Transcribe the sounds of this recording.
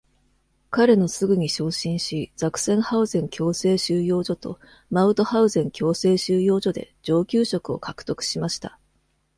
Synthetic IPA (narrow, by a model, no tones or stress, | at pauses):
kaɾe̞no̞sɨɡɯ̟ɲ̟iɕo̞ːɕĩɰ̃ɕiz̥akɯ̟̥sẽ̞ɰ̃haɯ̟zẽ̞ŋkʲo̞ːse̞ːɕɨːjo̞ːʑo̞t̪o̞ | maɯ̟t̪o̞haɯ̟zẽ̞ŋkʲo̞ːse̞ːɕɨːjo̞ːʑo̞d̪e̞̰d͡ʑo̞ːkʲɨːɕo̞kɯ̟o̞̰kakɯ̟̥t̪o̞kɯ̟̥ɕimaɕi̥t̪a